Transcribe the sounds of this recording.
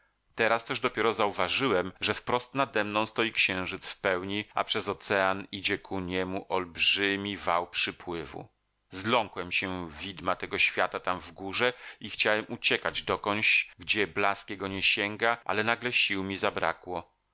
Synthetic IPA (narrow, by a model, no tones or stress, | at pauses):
t̪ɛɾast̪ɛʐd̪ɔpʲjɛɾɔzauvaʐɘwɛmʐɛfpɾɔst̪nad̪ɛmnɔ̃w̃st̪ɔjikɕɛ̃w̃ʐɘt̪sfpɛwɲia̰pʂɛzɔt̪sɛanid͡ʑɛkʰuɲɛmuʔɔlbʐɘmʲivawpʂɘpwɘvṵ | zlɔŋkwɛmɕɛvʲid̪mat̪ɛɡɔɕfʲjat̪at̪amvɡuʐɛixt͡ɕawɛmut͡ɕɛkad͡ʑd̪ɔkɔɲd͡ʑɡd͡ʑɛblaskʲɛɡɔɲɛɕɛŋɡaʔa̰lɛnaɡlɛɕiwmʲizabɾa̰kwɔ